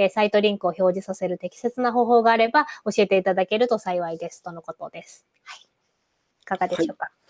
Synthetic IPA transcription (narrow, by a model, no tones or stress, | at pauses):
esait̪o̞ɾʲĩŋkɯ̟o̞ço̞ːʑisase̞ɾɯ̟t̪e̞kʲi̥se̞t͡sɨnaɦo̞ːɦo̞ːɡaːɾe̞bao̞ɕie̞t̪e̞it̪ad̪ake̞ɾɯ̟t̪o̞saiβaid̪e̞sɨ̥t̪o̞no̞ko̞t̪o̞d̪e̞sɨ̥ | hai | i̥kaɡad̪e̞ɕo̞ːka